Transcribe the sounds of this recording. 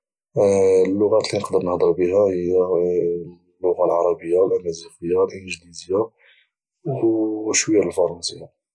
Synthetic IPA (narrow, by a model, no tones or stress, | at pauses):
lːʊɣæt̪linəqd̪əɾnəhd̪ˤəɾbəɦæhəjːæ | lːʊɣalʕɑɾˤɑbəjːawlʔæmæzixəjːalʔənʒlizja | ʃwəjːæləlfɑɾˤɑnsəjːa